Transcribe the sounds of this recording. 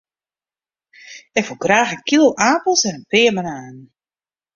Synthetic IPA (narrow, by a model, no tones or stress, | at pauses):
ɛkfulˠɡraːxənkilˠaːpl̩ˠsɛnənpɪːəmənaːn